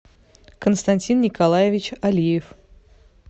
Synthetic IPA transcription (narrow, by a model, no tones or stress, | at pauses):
kənst̪ɐnʲtʲinːʲɪkɐlˠajɪvʲɪt͡ɕɐlʲijɪf